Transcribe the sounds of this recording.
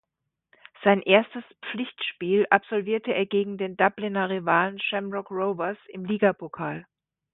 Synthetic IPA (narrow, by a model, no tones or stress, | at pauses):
z̥aɪnʔeːɐstəspp͡flɪçtʃpiːlʔapz̥ɔlviːɐtəeːɐɡeːɡŋ̩deːndablɪnɐʁivaːlənʃɛmʁɔkʁoʊvɐsɪmliːɡapʰokʰaːl